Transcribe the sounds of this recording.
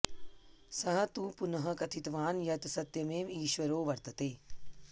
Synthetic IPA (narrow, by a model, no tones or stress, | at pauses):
sɐɦɐ̆t̪uːpunɐɦɐ̆kɐt̪ʰit̪ʋaːnjɐt̪sɐt̪jɐmeːmiːʃʋɐɾoːʋɐɾt̪ɐt̪eː